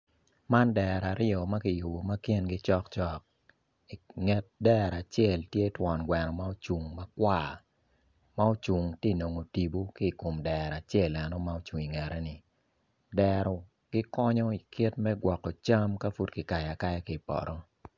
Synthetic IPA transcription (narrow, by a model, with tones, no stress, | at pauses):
ma˦ndɛ˨ɾa˨ɾɪɔ˨ma˦kɪ˨jo˨bo˨ma˦ki˦nɡɪ˦t͡ʃɔ˦kt͡ʃɔ˦k̚ | i˨ŋɛ˨˦t̚dɛ˦ɾa˨t͡ʃjɛ˦˨ltje˦twɔ˨nɡwɛ˨nɔ˨ma˦o˦t͡ʃu˨ŋma˦kwa˦˨ | ma˦o˦t͡ʃu˨ŋti˦˨no˨ŋo˨ti˨bu˦ki˦˨ko˨mdɛ˨ɾa˨t͡ʃɛ˦˨lɛ˨nɔ˦ma˦o˦t͡ʃu˨ŋi˨ŋɛ˨ɾɛ˦ni˨ | dɛ˨ɾɔ˨ | ɡ̥ɪ˦kɔ˦ɲɔ˦i˨kʰɪ˦tmɛ˦ɡwɔ˨kːɔ˨t͡ʃa˦mka˦fu˦tki˨ka˨ja˨ka˦jɛ˦ki˨pɔ̰˨ɾʔɔ˦